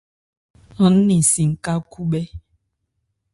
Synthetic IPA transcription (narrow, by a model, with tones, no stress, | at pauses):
ɔ˨n̩˦ni˨si˨ŋ̩˨ka˦ku˦ɓe˦